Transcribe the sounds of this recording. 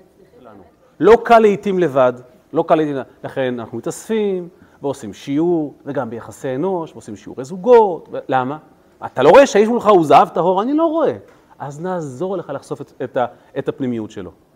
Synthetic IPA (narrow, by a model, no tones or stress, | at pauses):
ʃelanu | lo̞kalːeitimle̞vad | lo̞kaleit̪imlaχe̞nanaχnumit̪asfim | veo̞simʃiuʁve̞ɡambe̞jaχaseeno̞ʃveosimʃiṵʁezuɡo̞tvelama | at̪alo̞ʁo̞eʃeiʃmulχauzaɦavtaɦo̞ʁanilo̞ʁo̞e̞ | ʔaznaːzo̞ʁle̞χalaχso̞feeta | etapnimijutʃelo̞̰